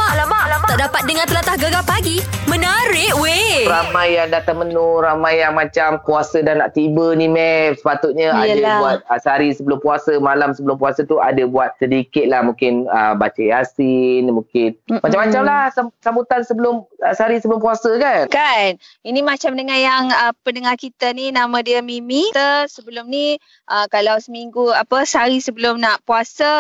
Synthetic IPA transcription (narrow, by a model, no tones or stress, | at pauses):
maʔlabaʔlaaʔdapat̪̚dəŋãnt̪əlat̪ahɡaɡapaɡimənaɾɪʔweɾamajːaŋdat̪aŋmənʊɾamãjːaŋmat͡ʃamkuasədanaʔt̪ibənimɛsə̥pat̪ʊt̪̚ɲaadabuat̪̚əsaɾisəbəlʊmpuasəmalamsəbəlʊmpuasət̪ua̰dəbuat̪̚sədikɪt̪̚lahmũkɪnəbat͡ʃəjasinmũkɪnmat͡ʃamːat͡ʃamlahsasambut̪ansəbəlʊməsaɾisəbəlʊmpuasəkankaninimat͡ʃamdəŋanjaŋəpəndəŋarkit̪aninamãdiəmimit̪əsəbəlʊmni | ʔəkalawsəmiŋɡuapəsaɾisəbəlʊmnaʔpuasə